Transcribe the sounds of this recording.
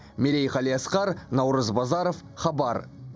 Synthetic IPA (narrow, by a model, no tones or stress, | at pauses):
meɾejqɑlˠijɑsqɑɾnɑwɾəzbɑzɑɾofχɑbɑɾ